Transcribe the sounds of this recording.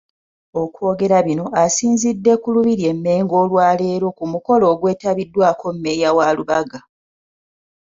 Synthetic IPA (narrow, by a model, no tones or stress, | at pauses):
o̞kwo̞ːɡe̞ɾaβino̞asiːnzidːe̞kuluβiɾje̞mːe̞ːŋɡo̞ːlwaːle̞ɾo̞kumuko̞lo̞ːɡwe̞ːtaβidːwaːkʰo̞mːe̞jawaluβaɡa